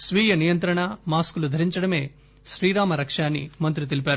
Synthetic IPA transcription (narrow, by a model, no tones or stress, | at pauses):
sʋiːjɐnijɐnt̪ɾɐɳɐmaːskulud̪ʱɐɾiɲt͡ʃɐɽɐme̞ː | ʃɾiːɾaːmɐɾɐkʂaːnːḭmɐnt̪ɾit̪̬elip̬aːɾu